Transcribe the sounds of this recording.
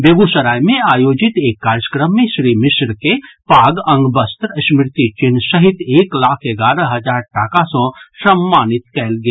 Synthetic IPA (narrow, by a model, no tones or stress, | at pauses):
beːɡusəɾaːjmẽaːjoːd͡ʒɪt̪eːkːaːɾjəkɾəmːẽʃɾiːmɪʃɾkepaːɡɐ̃ŋɡbɐst̪ɾʃmɾɪt̪it͡ʃɪnsəɦɪt̪eːklaːkʰeɡaːɾəɦɐd͡ʒaːɾʈakasɔ̃sɐmːaːnɪt̪̚kɛlɡe